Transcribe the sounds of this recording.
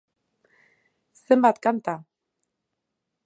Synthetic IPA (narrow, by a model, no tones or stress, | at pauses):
səmbat̪̚kant̪a